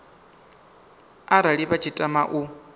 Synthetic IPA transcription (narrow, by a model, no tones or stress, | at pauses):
aɾaɺiβat͡ʃʰitʼamaʔu